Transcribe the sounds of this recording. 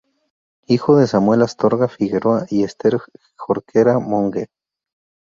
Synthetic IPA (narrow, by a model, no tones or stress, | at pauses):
ixoðesamwe̞last̪oɾɣafiɣeɾoaʔiest̪eɾ | xoɾkʰeɾamoŋɡe